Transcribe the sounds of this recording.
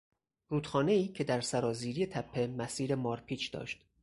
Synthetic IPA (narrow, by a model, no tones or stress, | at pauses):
ɾuːt̪xɒːne̞iːcʰe̞d̪æɾsæɾɒːziːɾije̞t̪ʰæpʰːe̞mæsiːɾe̞mɒːɾpʰiːt͡ʃʰd̪̥ɒ̰ːʃt̪